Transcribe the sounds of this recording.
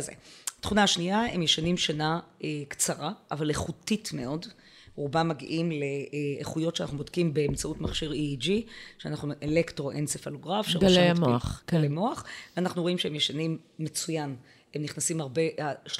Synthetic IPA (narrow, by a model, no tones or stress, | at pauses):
zḛatχunaaʃniae̞mjeʃanimʃanaekt͡saʁaʔa̰valeχutitme̞o̞d | ʁubamaɡiʔimleːχujo̞tʃeana̰nubodkimbe̞ːmt͡sautmaχʃiʁid͡ʒiʃeanaχnuʔelektʁo̞ʔent͡sefaloɡʁafʃeʁɡoemoaχɡalemoaχveanaχnuʁo̞imʃehemjeʃanimːe̞t͡sujan | emniχnasimaʁbe̞aʃ